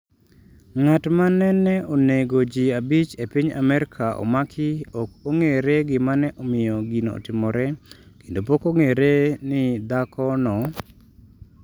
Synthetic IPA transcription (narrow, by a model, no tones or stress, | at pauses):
ŋatmanɛnɛoneɡod͡ʒiabit͡ʃepiɲa̰mɛɾɪkʰaʔɔ̰makʰɪɔkoŋeɾeɡɪmanɛʔɔmɪjɔɡinɔɔ̰tɪmɔɾɛkendopokoŋeɾenɪd̪akʰɔnɔ